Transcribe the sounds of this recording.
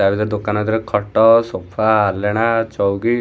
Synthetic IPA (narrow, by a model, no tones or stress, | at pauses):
abid̪ɔɾd̪okanɔd̪iɾekʰɔʈɔsopʰaːleɽ̃at͡ʃɔwɡi